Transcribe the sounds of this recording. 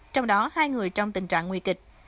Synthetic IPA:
t͡ɕɔ˧wŋ͡mɗɔ˨˦haː˧jŋɨ˨˩əjt͡ɕɔ˧wŋ͡mt̪ï˨˩ŋ̟t͡ɕa̰ː˧˨ŋːwi˧kï˨˩k̟̚

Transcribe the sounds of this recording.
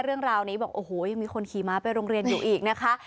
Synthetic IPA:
ɾɯ˥˩əŋɾaː˧wniː˦˥bɔː˨˩k̚ʔoː˨˩hoː˨˩ja˧ŋmiː˧kʰo˧nkʰiː˨˩maː˦˥pa˧jɾoː˧ŋɾi˧ənjuː˨˩ʔiː˨˩k̚na˦˥kʰa˦˥ʔ

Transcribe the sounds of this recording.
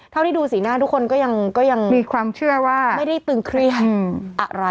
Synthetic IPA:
t̪ʰa˥˩t̪ʰiː˥˩duː˧siː˩˦naː˥˩t̪ʰu˦˥kʰːo˧nkɔː˥˩ja˧ŋkɔː˥˩ja˧ŋmiː˧kʰwaː˧mt͡ɕʰɯ˥˩ɐwaː˥˩ma˥˩jda˥˩jt̪ɯː˧ŋkʰɾi˥˩ətʔa̰˨˩ɾa˧

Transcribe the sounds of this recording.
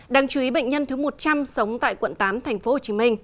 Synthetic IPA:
ɗaː˧˩ŋt͡ɕu˧˩i˨˦ɓə̰˧˨ŋ̟ɲə˧nt̪ɨ˨˦mo˨˩t̚t͡ɕa˧msə˨˦wŋ͡mt̪a̰ː˧˨jkwə̰˧˨nt̪aː˨˦mt̪ʰa˨˩jŋ̟fo˨˦ho˨˩t͡ɕi˨˦mï˧ŋ̟

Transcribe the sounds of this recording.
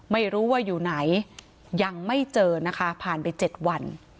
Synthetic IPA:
ma˥˩jɾuː˦˥wa˥˩juː˨˩na˩˦j | ja˧ŋma˥˩jt͡ɕɤː˧na˦˥kʰa˦˥pʰaː˨˩npa˧jt͡ɕe˨˩t̪̚wa˧n

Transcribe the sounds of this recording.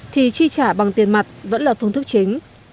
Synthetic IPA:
t̪ʰi˨˩t͡ɕi˧t͡ɕaː˧˩ɓa˨˩ŋt̪i˨˩ənma˨˩t̚və̰˧˥nlaː˨˩fɨ˧əŋt̪ʰɨ˦˥k̚t͡ɕï˨˦ŋ̟

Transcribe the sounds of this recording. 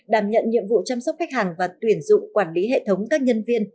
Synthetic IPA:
ɗaː˧˩mɲə̰˧˨nɲḭ˧˨əmvṵ˧˨t͡ɕa˧msɔ˦˥k͡p̚xa˦˥k̚haː˨˩ŋvaː˨˩t̪wi˧˩ənzʊ̰˧˨ŋ͡mkwaː˧˩nli˨˦ɦḛ˧˨t̪ʰə˨˦wŋ͡mkaː˦˥k̚ɲə˧nvi˧ən

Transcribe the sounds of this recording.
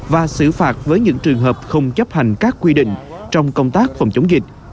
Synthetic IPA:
vaː˨˩sɨ̰˧˩faː˨˩t̚vəː˨˦jɲɨ̰˧˥ŋt͡ɕɨ˨˩əŋɦəː˨˩p̚xə˧wŋ͡mt͡ɕə˦˥p̚ha˨˩jŋ̟kaː˦˥kːwi˧ɗḭ̈˧˨ŋ̟t͡ɕɔ˧wŋ͡mkə˧wŋ͡mt̪aː˦˥k̚fə˧˩ŋ͡mt͡ɕə˨˦wŋ͡mzï˨˩k̟̚

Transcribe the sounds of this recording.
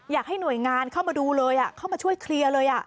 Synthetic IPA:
jaː˨˩k̚ha˥˩jnu˨˩əjŋaː˧nkʰa˥˩wmaː˧duː˧lɤː˧jʔa˨˩kʰa˥˩wmaː˧t͡ɕʰu˥˩əjkʰli˧ɐlɤː˧jʔa˨˩ʔ

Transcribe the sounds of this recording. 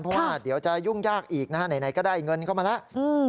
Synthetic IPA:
npʰɾɔ˦˥waː˥˩di˩˦əwt͡ɕa˨˩ju˥˩ŋjaː˥˩k̚ʔiː˨˩k̚na˦˥˩na˨˩˦jna˩˦jkɔː˥˩daː˥˩ŋɤ˧nkʰa˥˩wmaː˧lɛ˦˥ʔʔɯː˧

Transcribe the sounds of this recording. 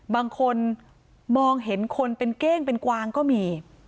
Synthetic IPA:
baː˧ŋkʰo˧n | mɔː˧ŋɦe˩˦nkʰo˧npe˧nkeː˥˩ŋpe˧nkwaː˧ŋkɔː˥˩miː˧

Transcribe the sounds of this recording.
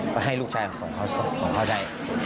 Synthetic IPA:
pa˧˩ɦa˥˩jluː˥˩k̚t͡ɕʰaː˧˩˧kʰɔː˩˦ŋkʰa˥˩skʰɔː˩˦ŋkʰa˥˩t͡ɕa˧˥˩j

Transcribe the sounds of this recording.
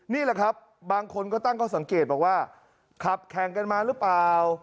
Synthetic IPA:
niː˥˩lɛ˨˩kʰa˦˥p̚ | baː˧ŋkʰo˧nkɔː˥˩t̪aː˥˩ŋkʰa˥˩sa˩˦ŋkeː˨˩t̪̚bɔː˨˩k̚waː˥˩ | kʰa˨˩p̚kʰɛː˨˩˦ŋka˧nmaː˧ɾɯ˦˥plaː˨˧w

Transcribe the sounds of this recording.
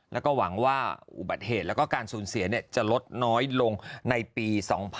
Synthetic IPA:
lɛ˦˥wkɔː˥˩wa˩˦ŋwaː˥˩ʔṵ˨˩ba˨˩t̪̚heː˨˩t̪lɛ˦˥kɔː˥˩kaː˧nsuː˩˦nsi˩˦ɐni˥˩ət͡ɕa˨˩lo˦˥t̪̚nɔː˦˥jlo˧ŋna˧jpiː˧sɔː˩˦ŋpʰ

